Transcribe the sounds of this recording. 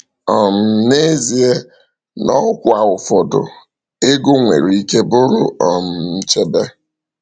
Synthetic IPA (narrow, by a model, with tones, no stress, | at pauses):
ɔ˨m̩˨ne˦zi˨e˦ | nɔ˦kʷʊ˨a˨ʊ˨fɔ˨dʊ̰˨ | ɪ˦ɡʊ˦ŋʷḛ˨ɾii˦ke˦bʊ˦ɾʊ̰˦ɔ˨m̩˨n̩˦t͡ʃe˦be˦